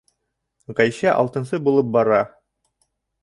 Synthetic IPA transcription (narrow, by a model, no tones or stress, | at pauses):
ʁæjɕæʔɑ̰lˠt̪ɤ̆nsɤbulˠɤp̚bɑɾɑ